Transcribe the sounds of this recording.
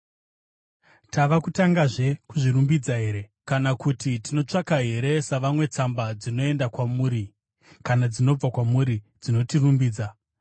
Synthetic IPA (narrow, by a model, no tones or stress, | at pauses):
taʋakutaŋɡaʐe̞kuʐirumbid͡zaɦe̞ɾe̞kanakutitino̞t͡ʂakaɦe̞ɾe̞saʋamwe̞t͡sambad͡zino̞e̞ndakwamuːɾi | kanad͡zino̞b͡vakwamuɾi | d͡zino̞tirumbiːd͡za